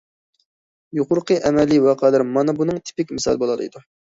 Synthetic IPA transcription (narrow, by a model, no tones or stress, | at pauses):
joqʊɾqʰəʔɛmɛlːiwɑqʰɑlæɾmɑnɨbunɨŋt̪ʰi̥pɪkʲmɪsɑ̰lˠbolˠɑ̰lˠɨḭd̪u